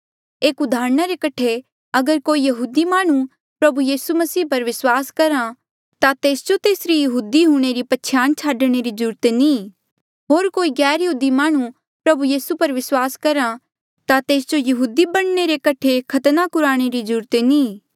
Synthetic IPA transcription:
eːkʊd̪ʱaːɾñaɾekɐʈʰe | ɐɡəɾkoːijɐɦuːd̪imaːɽ̃u | pɾɐbujiːsumɐsiːpɐɾʋɪswaːskɐɾã | t̪at̪eːsd͡ʒot̪eːsɾijɐɦuːd̪iɦuːɽ̃eɾipɐtːʃʰjaːnt͡ʃʰaːɖɽ̃eɾid͡ʒuːɾt̪enĩ | ɦoːɾkoːiɡɛːɾjɐɦuːd̪imaːɽ̃u | pɾɐbujiːsupɐɾʋɪswaːskɐɾã | t̪at̪eːsd͡ʒojɐɦuːd̪ibɐɽ̃neɾekɐʈʰekʰɐt̪nakʊɾaːɽ̃eɾid͡ʒuːɾt̪enĩː

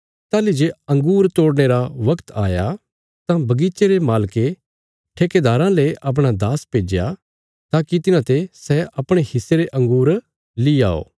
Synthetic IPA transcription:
t̪aːlid͡ʒeɐ̃ŋɡuːɾt̪oːɽɽ̃eɾaʋɐkt̪aːja | t̪ãbɐɡit͡ʃeɾemaːlke | ʈʰeːked̪aːɾãleʔɐp̬ɽ̃ad̪aːspeːd͡ʒja̰ | t̪aːkit̪ɪnãt̪esɛɐpɽ̃ehɪsːeɾeʔɐ̃ŋɡuːɾ | lia̰ːo̰ː

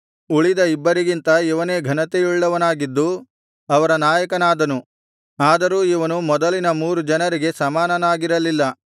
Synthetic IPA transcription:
uɭid̪ɐibːɐɾiɡint̪ɐiʋɐne̞ːɡʱɐnɐt̪ejuɭːɐʋɐnaːɡid̪ːu | ɐʋɐɾɐnaːjɐkɐnaːd̪ɐnu | aːd̪ɐɾuːiʋɐnumɔd̪ɐlinɐmuːɾud͡ʒɐnɐɾiɡe̞sɐmaːnɐnaːɡiɾɐlilːɐ

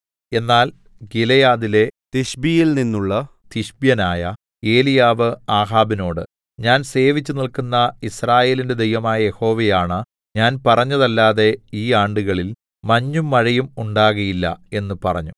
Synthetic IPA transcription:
e̞nːaːl | ɡilejaːðile̞t̪iɕbijilninːuɭːɐ | t̪iɕbjɐnaːjɐ | e̞ːlijaːʋɨaːɦaːbino̞ːɽɨ̰ | ɲaːnse̞ːʋit͡ɕːunilkunːɐisraːje̞ːlinde̞d̪e̞jʋɐmaːjɐje̞ho̞ːʋejaːɳɨ | ɲaːnpɐrɐɲːɐðɐlːaːðe̞iːaːɳɖuɣɐɭil | mɐɲːumːɐɻɐjumuɳɖaːɣɐjilːɐ̰e̞nːɨpɐrɐ̰ɲːu

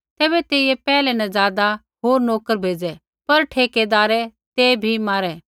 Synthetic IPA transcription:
t̪ɛːbɛt̪eːijepɛːlɛnɛzaːd̪a | ɦoːɾnoːkəɾbʱeːd͡ʒɛ | pɐɾʈʰeːked̪aːɾɛt̪eːbʱimaːɾɛː

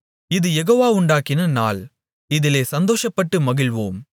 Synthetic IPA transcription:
ɪðɯjɛɣoːʋaːʊɳɖaːkːɪnɐna̰ːl | ɪðɪleːsɐnd̪oːʂɐpːɐʈːɯmɐɣɪɭʋoːm

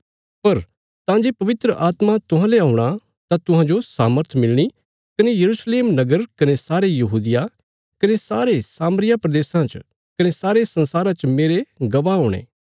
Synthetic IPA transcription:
pɐɾ | t̪ãd͡ʒepɐʋɪt̪ɾəʔaːt̪mat̪ʊɦãleaːʊ̃ɽ̃a | t̪ãt̪ʊɦãd͡ʒosaːməɾt̪ʰmɪlɽ̃i | kɐnejɐɾuːsleːmnɐɡəɾkɐnesaːɾejɐɦuːd̪ɪja | kɐnesaːɾesaːmɾɪjapɾɐd̪eːsãt͡ʃ | kɐnesaːɾesɐ̃nsaːɾat͡ʃmeːɾeɡɐʋaɦoːɽ̃ḛː

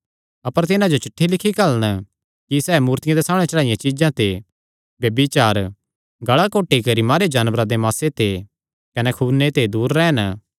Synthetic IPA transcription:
ɐpəɾt̪ɪnãd͡ʒot͡ʃɪʈʰːilɪkʰikɐlɽ̃ | kisɛːmuːɾt̪ɪjãd̪esaːmɽ̃ɛt͡ʃɐɭaːijẽt͡ʃid͡ʒãt̪e | bjɐbit͡ʃaːɾ | ɡɐɭakoːʈikɐɾimaːɾed͡ʒaːnbɾad̪emaːset̪e | kɐnɛkʰunet̪ed̪uːɾːɛːɦən

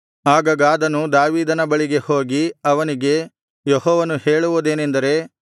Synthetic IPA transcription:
aːɡɐɡaːd̪ɐnud̪aːʋiːd̪ɐnɐbɐɭiɡe̞hoːɡiɐʋɐniɡe̞ | jehɔːʋɐnuhe̞ːɭuʋud̪eːnend̪ɐɾe̞

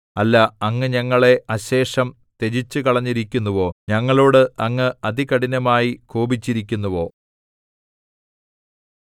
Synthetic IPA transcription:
ɐlːɐɐŋːɨɲɐŋːɐɭe̞ɐɕe̞ːʂɐm | t̪e̞d͡ʑit͡ɕːɨkɐɭɐɲːiɾikʲːunːuʋo̞ːɲɐŋːɐɭo̞ːɽɨʔɐŋːɨɐd̪ikɐɽinɐmaːjikoːbit͡ɕːiɾikʲːunːɐʋo̞ː

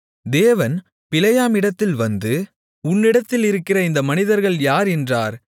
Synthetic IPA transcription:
d̪eːʋɐn | pɪlɐjaːmɪɽɐt̪ːɪlʋɐnd̪ɯ | ʊnːɪɽɐt̪ːɪlɪɾɯkːɪrɐɪnd̪ɐmɐnɪðɐɾɣɐɭjaːɾɛndraːɾ

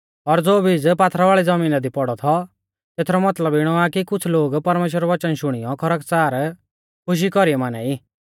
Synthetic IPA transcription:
ɔɾd͡zoːbid͡zpaːt̪ʰɾaʋaːɭid͡zɐmiːnad̪ipɔɽɔt̪ʰɔ | t̪eːt̪ʰɾɔmɐt̪ləbɪɽ̃ɔakikʊt͡sʰloːɡpɐɾmeːʃ̬wəɾɔʋɐt͡ʃənʃʊɽ̃ɪjɔkʰɐɾəkt͡saːɾ | kʰʊʃ̬ikɔɾiɛmaːnɛiː

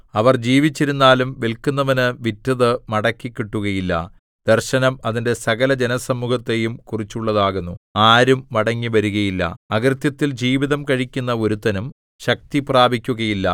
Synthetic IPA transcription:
ɐʋɐrd͡ʑiːʋit͡ɕːiɾunːaːlumʋelkunːɐʋɐnɨʋitːɐðɨmɐɽɐkːikʲːiʈːuɣɐjilːɐ̰ | d̪̥erɕɐnɐmɐðinde̞sɐɣɐlɐd͡ʑenɐsɐmːuhɐt̪ːe̞jumkurit͡ɕːuɭːɐðaːɣunːuaːɾumːɐɽɐŋːiʋɐɾuɣɐjilːɐ̰ɐkrɨt̪jɐt̪ːild͡ʑiːʋiðɐmkɐɻikʲːunːɐo̞ɾut̪ɐnum | ɕɐk̚t̪ipraːbʱikʲːuɣɐjilːɐ̰

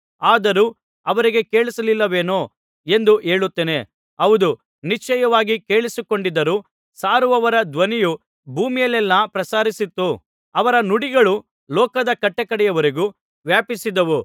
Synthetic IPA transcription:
aːd̪ɐɾuː | ɐʋɐɾiɡe̞ke̞ːɭisɐlilːɐʋe̞ːnoː | e̞nd̪uʔe̞ːɭut̪ːeːne̞ | ɐʋud̪u | nit͡ʃːɛjɐʋaːɡike̞ːɭisiko̞ɳɖid̪ɐɾuː | saːɾuʋɐʋɐɾɐd̪ʋɐniju | bʱuːmijɐlɛlːɐpɾɐsaːɾisit̪ːu | ɐʋɐɾɐnuɽiɡɐɭu | lɔːkɐd̪ɐkɐʈːɐkɐɽɛjɐʋɐɾiɡuː | ʋjaːpisid̪ɐʋu

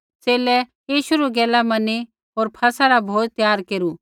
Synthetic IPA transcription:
seːlɛ | iːʃʊɾuɡɛːlamɐni | oːɾpʰɐsaɾabʱoːt̪t̪ːjaːɾkeːɾu

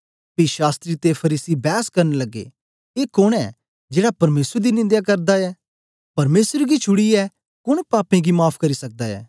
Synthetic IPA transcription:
piʃaːst̪ɾit̪epʰɐɾiːsibɛːskɐɾnlɐɡḛ | eːkoɽ̃ɛ | d͡ʒeːɽapɐɾmeːsɾd̪inɪ̃nd̪jak̬ɐɾd̪aɛ | pɐɾmeːsɾɡit͡ʃʰʊɽiɛ | kʊɽ̃paːpẽɡimaːpʰkɐɾisɐk̚d̪aɛ̰ː

